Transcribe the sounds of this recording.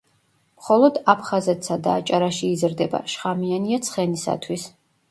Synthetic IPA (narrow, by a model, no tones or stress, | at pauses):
mχɔlˠɔd̪apʰχazɛt̪ʰsad̪aːt͡ʃʼaɾaʃiːzɾd̪ɛba̰ʃχamianiat̪sʰχɛnisa̰t̪ʰwis